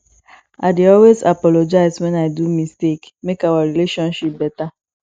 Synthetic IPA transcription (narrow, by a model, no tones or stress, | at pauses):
adɪɔlwezapɔlod͡ʒaɪzwɛnaɪdumistekmekawaɾileʃɔ̃nʃip̚bɛta